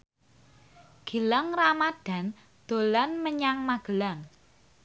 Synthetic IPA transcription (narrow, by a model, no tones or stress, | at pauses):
ɡ̥i̤laŋramad̥a̤n | d̪̥o̤lanməɲaŋmaɡ̥əlaŋ